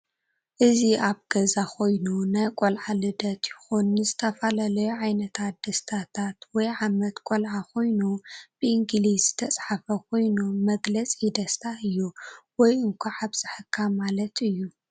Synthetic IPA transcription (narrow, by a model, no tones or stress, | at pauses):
ʔɨziʔaβɡ̥ɐzakʰo̞jnunajkʼolʕalɨd̪ɐt̪jɪxunːɨzɨt̪ʰɐfalalɐjuʕajnɐt̪ʰat̪̚d̪ɐst̪ʰat̪ʰat̪wɔjʕamɐt̪kʼolʕakʰo̞jnub̥ɨʔiŋɡlizzɨt̪ʰɐt͡sʼħafɐkʰo̞jnumɐɡlɐt͡sʼid̪ɐst̪ʰaʔɨjːuwɔjʔɨŋkʷʰuʕaβz̥ɨħɨkʰːamalɐt̪ɨjːu